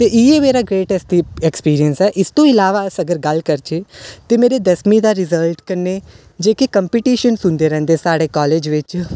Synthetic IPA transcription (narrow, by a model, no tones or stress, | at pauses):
t̪eːʔiːeːmeːɾaːɡɾeːʈɛsʈ̪iɛkspiːɾiənsɛːʔɪst̪õːɪlaːʋaːəsəɡəɾɡəlkəɾt͡ʃeːt̪eːmeːɾeːd̪əsmid̪aːɾɪzəlʈkənːeː | d͡ʒeːkekəmpiʈiːʃənsʊ̃nd̪eːɾɛ̃ːnd̪eːsaːɽeːkɔːleːd͡ʒʋɪt͡ʃ